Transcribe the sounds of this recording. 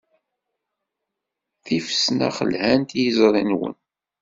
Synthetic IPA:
θifə̥snæ̰χə̰lhænt̪jəzɾˤinwə̰n

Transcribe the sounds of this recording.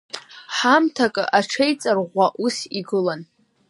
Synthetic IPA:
ħamtʰakʼɨ̰ʔaʈ͡ʂʰejt͡sʼarʁʷaʔusiɡɨlan

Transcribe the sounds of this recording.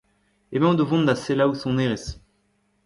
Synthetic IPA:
emɛ̃d̪ovɔ̃nd̪aselawsɔ̃neʁes

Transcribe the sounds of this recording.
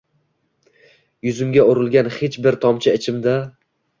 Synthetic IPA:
jʊzɪmɡʲaʊɾɪlˠɡʲanhet͡ʃbɪɾt̪ʰɒmt͡ʃʰɪɪt͡ʃʰɪmd̪a

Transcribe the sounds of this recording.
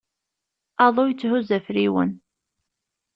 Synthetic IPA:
ɑðˤojət͡sːhuzæfɾiwə̰n

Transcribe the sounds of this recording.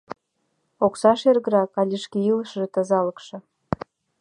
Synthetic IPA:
oksɑʃerɣə̆ɾɑkɑlʲiʃkejiləʃʒĕt̪ə̆zɑlə̆kʃɤ̆

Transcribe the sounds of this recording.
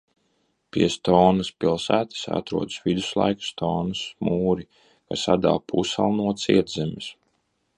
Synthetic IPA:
pʲiɛst̪ɔːnaspilˠsæːt̪ɨ̥sa̰t̪ɾuɔd̪svid̪uslˠa̰jkst̪ʰɔːnɨsmuːɾi | kasad̪a̰lˠpʰusalˠnuɔt̪siɛɾd̪zɛmʲis

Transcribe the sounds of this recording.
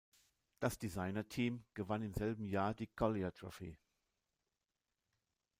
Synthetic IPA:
d̥asd̥izaɪnɐtʰiːmɡ̥əvanɪmzɛlbm̩jaːɐdiːkʰɔliatʁɔfiː

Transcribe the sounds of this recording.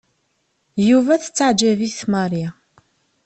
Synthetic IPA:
juvæθə̥t͡sːaʕd͡ʒæviθmɑɾˤja

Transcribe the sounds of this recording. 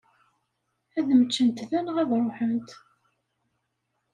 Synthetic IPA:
æðəmət͡ʃːənt̪ðænʁæðɾˤoħənt̪

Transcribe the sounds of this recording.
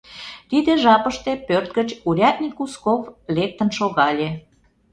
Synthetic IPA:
t̪id̪eʒɑpəʃt̪epørt̪̚ɡət͡ɕuɾʲɑt̪nʲikuskovlek̚t̪ənʃoɣɑlʲe

